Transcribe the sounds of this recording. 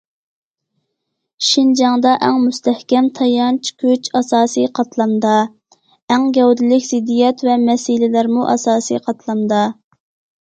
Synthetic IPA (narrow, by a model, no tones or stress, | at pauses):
ʃind͡ʒɑŋd̪ɑʔɛŋmust̪ɛhkʲɛmt̪ʰɑjɑnt͡ʃʰi̥kʲʰøt͡ʃɑsɑːsɨjqʰɑt̪ʰlˠɑnd̪ɑ | ɛŋɡʲɛwd̪ɪlɪkʲzɪd̪ːijɛt̪vɛmɛsilɪlæɾmuʔɑ̰sɑːsɨ̰qʰɑt̪ʰlˠɑnd̪ɑ